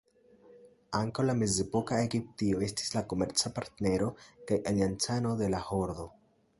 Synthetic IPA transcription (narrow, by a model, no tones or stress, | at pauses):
aŋkawlame̞ze̞po̞kae̞ɡip̚tio̞e̞sti̥slako̞me̞ɾt͡sapaɾtne̞ɾo̞kajʔaliant͡sano̞d̪e̞laho̞ɾd̪o̞